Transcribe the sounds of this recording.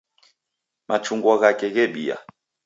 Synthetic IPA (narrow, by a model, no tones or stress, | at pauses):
mat͡ʃuŋɡwaɣakɛɣɛɓḭa̰